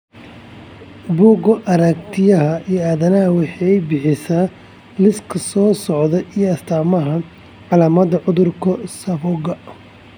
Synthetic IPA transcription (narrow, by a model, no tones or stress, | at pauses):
buːɡɔʔɐɾɐkt̪ʰɪjɐɦɐijaːðɐnɐɦɐwɑħɑjbɪħɪsaː | lɪskʰɐsɔːsɔʕðɛʔijɔɐst̪ʰaːmɐɦɐ | ʕɑlaːmɐðɐʕʊðʊrkʰɔsɐfɔɡɐ